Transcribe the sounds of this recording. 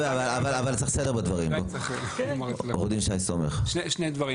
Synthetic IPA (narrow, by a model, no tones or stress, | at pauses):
eavalavalavalt͡seχsedebad̪vaʁimbo | ʁod̪imʃajsomeχʃneʃnejd̪vaʁi